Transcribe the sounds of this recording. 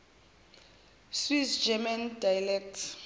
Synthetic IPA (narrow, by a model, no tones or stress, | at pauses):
swisd͡ʒɛmandajalɛk̚tʰ